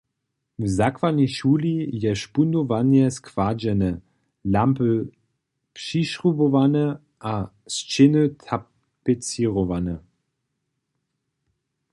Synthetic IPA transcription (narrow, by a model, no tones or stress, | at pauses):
vzakvaniʃuːlijɛʃpundovanjɛskʰv̥ad͡ʑɛnə | lampə | pʂiʃʁubɔvanə | ʔa | st͡ʃɪnətʰa | pɛt͡siʁɔvanə